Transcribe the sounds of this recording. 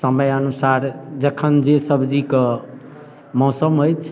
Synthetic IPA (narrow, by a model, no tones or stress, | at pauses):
səməjənusaɾd͡ʒəkʰənd͡ʒesəbd͡ʒikə | mɔsəmɦojt͡ʃʰ